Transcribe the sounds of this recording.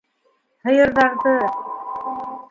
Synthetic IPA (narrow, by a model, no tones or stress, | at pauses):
hɤ̆jɤ̆ɾðɑɾðɤ